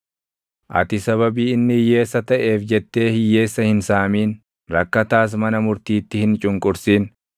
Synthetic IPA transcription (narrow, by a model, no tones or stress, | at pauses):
ʔɐ̰t̪ɪsɐβɐbiːɪnːɪhɪjːe̞ːsːɐt̪ɐʔe̞ːfd͡ʒɛt̪ːe̞ːhɪjːe̞ːsːɐhɪnsaːmiːn | ɾɐkːɐt̪aːs̬mɐnɐmʊɾt̪iːt̪ːɪhɪnt͡ʃʼʊŋkʼʊɾsiːn